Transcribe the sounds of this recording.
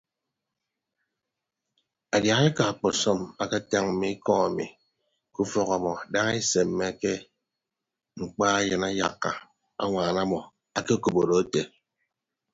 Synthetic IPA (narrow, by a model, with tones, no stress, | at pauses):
a˨dja˨ɣe˦ka˨a˨k͡pɔ˨sɔ˦ma˦ka˦ta˦ŋm̩˨mi˦i˦kɔ˦ŋa˨mḭ˨ | ku˦fɔ˦ɣa˨mɔ˨da˦ŋ˦e˦se˨mː˦e˦ke˦ | ŋ͡m̩˨k͡pa˦a˦jɨ˨na˦ja̰˨kːa̰˨ | a̰˦ŋʷaː˨na˦mɔ˨ | a˨ke˦ko˨bo˨ɾo˨e˦te˨